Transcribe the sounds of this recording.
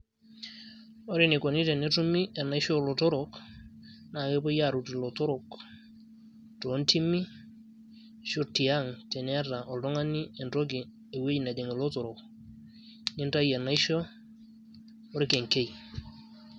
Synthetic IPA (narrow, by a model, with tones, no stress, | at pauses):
o˦ɾi˦ni˨ko˨ni˦te˨ne˦tu˦mi˦e˨na˨i˦ʃo˦lo˨to˦ɾok | na˨ke˦po˦ja˦ɾu˨ti˨lo˨to˦ɾo˨k | to˨˦nti˦mi˦ | ʃu˦ti˨a˦ŋte˨ne˦ɾa˨ʔo˨ldo˦ŋa˦ni˦e˨nɾo˦ɡi˨ | e˨we˦ɟna˨ɟe˨ŋe˨lo˦to˨ɾo˨k | ni˦nta˦je˨na˦iʃo˦ | o˦ɾi˦ke˨ŋke˦j